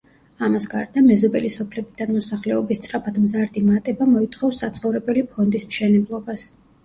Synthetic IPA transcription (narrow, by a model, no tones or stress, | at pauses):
amasɡa̰ɾd̪amɛzɔbɛlisɔpʰlɛbid̪anmɔsaχlɛɔbist̪sʼɾapʰad̪mzaɾd̪imat̪ʼɛbamɔit̪ʰχɔfsːat̪sʰχɔvɾɛbɛlipʰɔnd̪ismʃɛnɛblˠɔbas